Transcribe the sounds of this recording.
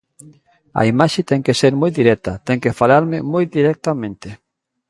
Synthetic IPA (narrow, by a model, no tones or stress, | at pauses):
a̰imaʃet̪ɛŋkeseɾmojd̪iɾɛk̚t̪at̪ɛŋkefalaɾmɪmojd̪iɾɛk̚t̪amẽnt̪ɪ